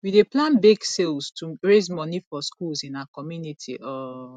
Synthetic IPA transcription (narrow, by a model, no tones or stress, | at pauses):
wideplãnbeɡselstʰuɹezmɔnifɔskulzĩnaakɔmjunitʰiʔɔ